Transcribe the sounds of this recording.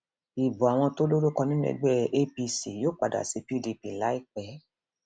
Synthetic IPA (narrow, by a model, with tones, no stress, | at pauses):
i˨bu˨a˨w̃ɔ̃˧to˦lo˦ɾo˦kɔ̃˧nĩ˦nɛ̰̃˧ɡ͡bɛ˦ʔe˦pi˧si˨joː˦˨k͡pa˨da̰˨si˧pi˦di˧pi˨la˨˦i˦k͡pɛ˨˦